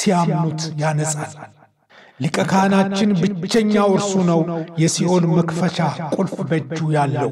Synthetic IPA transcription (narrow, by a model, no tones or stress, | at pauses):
sijamnut̪janəsʼall | lɨkʼəkʰanat͡ʃːɪnbɨt͡ʃːɛɲːawɨɾsunəwjɛsiʔo̞nməkfəʃakʼʊlfʼbəd͡ʒːujalːəw